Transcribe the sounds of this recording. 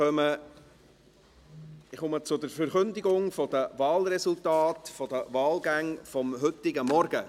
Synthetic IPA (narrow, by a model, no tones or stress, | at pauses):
œmə | ɪχomət͡sʊdəɾfəɾχɵnd̪ɪɡʊŋfɔd̥̪əvɑːlɾɛsʊltɑːtfɔd̥̪əʋɑːlɡæŋfɔmɦʏt̪ɪɡəmɔɾɡ̥ə